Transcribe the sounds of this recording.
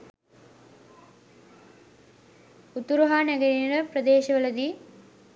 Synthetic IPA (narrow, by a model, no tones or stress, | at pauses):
ut̪ːuɾuɦaːnɐɡɐɾiniɽɐpɾɐd̪eːʃɐʋɐɭɐd̪i